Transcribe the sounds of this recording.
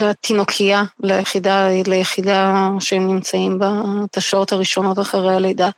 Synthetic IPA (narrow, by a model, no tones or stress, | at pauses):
lat̪inokʰialejeχidalejeχidaʃehemnimt͡saimbat̪aʃao̞thaʁiʃo̞no̞taχaʁejalejd̪a